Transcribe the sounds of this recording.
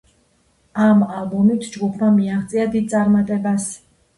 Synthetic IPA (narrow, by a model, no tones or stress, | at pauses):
amalˠbɔmit̪ʰd͡ʒɡupʰmamiaχt̪sʼiad̪id̪̚t̪sʼaɾmat̪ʼɛbas